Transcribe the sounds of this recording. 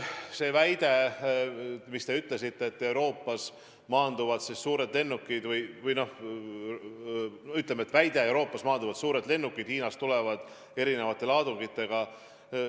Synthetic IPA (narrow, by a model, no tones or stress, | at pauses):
se̞ːvæjd̪̥e̞ | mist̪e̞yt̪ˑle̞s̬it̪ːe̞ːt̪ːe̞wɾo̞ːpˑːɑs | mɑːnd̪̥uvɑd̪sisːuːɾe̞d̪le̞nːukːid̪vɯjvɯjno̞h | yt̪ːˑlemeet̪ːvæjd̪̥e̞ewɾo̞ːpːˑɑsmɑːnd̪uvɑd̪suːɾe̞d̪le̞nːukːˑid̪̥hiːnɑst̪ule̞vɑd̪̥ | e̞ɾine̞vɑt̪ːˑe̞lɑːd̪̥uŋɡ̥it̪ːe̞ɡ̥ɑ